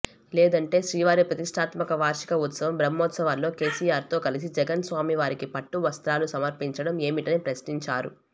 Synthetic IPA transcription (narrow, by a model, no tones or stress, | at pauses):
leːd̪ɐɳʈe̞ːʃɾiːʋaːɾipɾɐt̪iʂʈʰaːt̪mɐkɐʋaːɾʂi̥kɐut̪sɐʋɐmbɾɐmːɔːt̪sɐʋallːo̞ːke̞ːsiːjaːɾt̪o̞ːkɐlis̬id͡ʒɛɡɐnsʋaːmiʋaːɾikipɐʈːuʋɐst̪ɾaːlusɐmɐɾpiɲt͡ʃɐɽɐme̞ːmiʈɐnipɾɐsʈiɲt͡ʃaːɾṵ